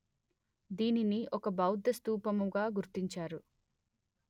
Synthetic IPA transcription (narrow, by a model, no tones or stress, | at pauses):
d̪iːniniʔɔkɐbɐwd̪ɐst̪uːpɐmuɡaːɡuɾt̪iɲt͡ʃaːɾu